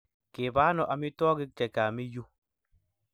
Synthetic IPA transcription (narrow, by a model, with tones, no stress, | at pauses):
kɪ˨ba˦nɔ˨ʔa˨mɪ˦twɔ˦ɡɪ˦k̚t͡ʃɛ˨ka˨mi˦ju˦